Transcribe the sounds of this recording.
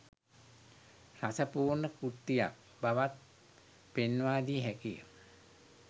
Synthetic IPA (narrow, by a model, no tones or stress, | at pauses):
rasəpuːrnəkut̪ːija̰k̚ | baʋat̪̚ | penʋaːd̪iɦækijə̰m